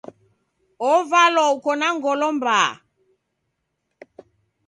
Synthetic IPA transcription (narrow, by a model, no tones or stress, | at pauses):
ɔvalɔukɔnaŋɡɔlɔmba